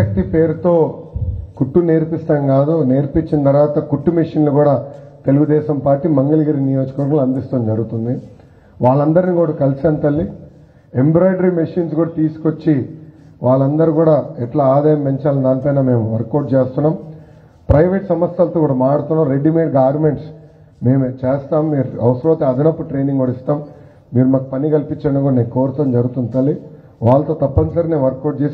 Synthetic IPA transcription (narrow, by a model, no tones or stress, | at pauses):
ɐk̚t̪ipe̞ːɾut̪o̞ː | kuʈːune̞ːɾpist̪ɐŋkaːd̪une̞ːɾpit͡ʃːinɐt̪ɐɾʋaːt̪ɐkuʈːumiʂinluɡuːɽaː | t̪e̞luɡud̪ɛːʃɐmpaːɾʈːiːmɐŋɡɐlɐɡiɾinijoːd͡ʒɐkɐʋɐɾɡɐmluɐnd̪ist̪oːnd͡ʒɐɾuɡut̪und̪i | ʋaːɭːɐnd̪ɐɾinikuːɽaːkɐlsiɐnt̪ɐlːi | embɾoːjɖɐɾimiʂiːnsɡuːɽaːt̪iːsu̥kot͡ʃːi | ʋaːɭːɐnd̪ɐɾuɡuːɽaːɛʈlaːaːd̪ɐjɐmpeɲt͡ʃaːlɐnd̪aːnpɐjnaːme̞ːmuʋɐɾkːɐɾʈ̚t͡ʃeːst̪unːaːm | pɾɐjʋeːʈsɐmɐsjɐlɐt̪oːkuːɽaːmaːɽut̪unːaɾeɖimeʈɡaːɾmeɳʈs | me̞ːmt͡ʃeːst̪aːmːiːɾuɐwsɾoːt̪eɐd̪inɐpːuʈɾe̞ːniŋɡoɽist̪aːm | miːɾumaːkɐpɐnikɐlpiɲt͡ʃːɐɳɖukuːɽaneːkoːɾut̪ɐmd͡ʒɐɾɡut̪unt̪ɐlːi | ʋaːɭːɐt̪oːt̪ɐpːɐnsɐɾineːnʋɐɾkːɐɖ̚t͡ʃeːs